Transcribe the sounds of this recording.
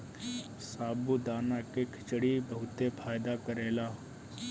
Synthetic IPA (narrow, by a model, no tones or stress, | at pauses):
saːbud̪aːnakekʰɪ̥t͡ʃɽibɐɦʊt̪epʰaːjd̪akəɾeːlaː